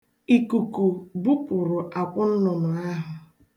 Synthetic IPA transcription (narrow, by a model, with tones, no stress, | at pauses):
i˨ku˨ku˨bu˦pʊ˨ɾʊ˨ʔa˨kʷʊ˦n̩˦nʊ˨nʊ˨a˦ɦʊ˨